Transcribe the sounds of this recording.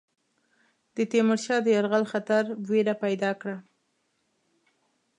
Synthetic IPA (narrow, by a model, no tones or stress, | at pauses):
d̪̥ət̪emaɾʃɑd̪əjaɾɣalxat̪aɾweɾapajd̪ɑkɽa